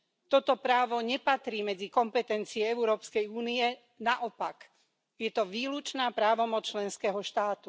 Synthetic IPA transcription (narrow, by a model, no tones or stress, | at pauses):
t̪ɔt̪ɔpɾaːʋɔɲɛpat̪ɾiːmɛd͡zikɔmpɛt̪ɛnt͡siɛɛuɾɔːpskɛjuːniɛ | naʔɔpak | jɛt̪ɔʋiːlut͡ʃnaːpɾaːʋɔmɔt͡st͡ʃlɛnskɛɦɔʃt̪aːt̪u